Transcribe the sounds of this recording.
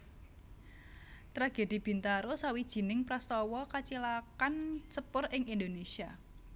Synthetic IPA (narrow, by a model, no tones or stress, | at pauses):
t̪ɾaɡ̥e̤d̪̥i̤b̥i̤nt̪aɾosawid̥ʒ̥i̤nɪŋpɾast̪ɔwɔkat͡ʃilakansəpʊrɪŋind̪onesia